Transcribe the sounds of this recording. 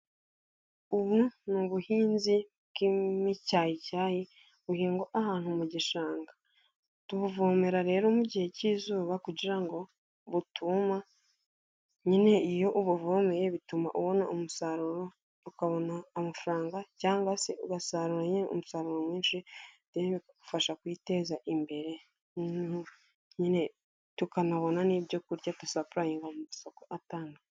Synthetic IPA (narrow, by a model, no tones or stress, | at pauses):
uβunuβuhiːnzi | kimicaːjicaːji | βuhiːŋɡo̞ʔahaːn̥humuɟiʃaːŋɡa | tuβuvoːme̞ɾaɾe̞ːɾo̞muɟihe̞ciːzuːβakuɟiɾaŋɡo̞ | βutʰuma | ɲine̞ijo̞ʔuβuvomejeβituma̰ʔuβo̞naʔumusaɾuɾo | ukaβo̞naːmafuɾaːŋɡacaːŋɡaseuɡasaːɾuɾaɲineʔṵmusaɾuɾo̞mwiːnʃiteβikku̥faʃakwiːte̞ːzaʔimbe̞ɾe̞ | ɲine̞ | tukanaβo̞nanibɟo̞kuɾɟatusapuɾajiŋɡamumusokoʔataːnɡa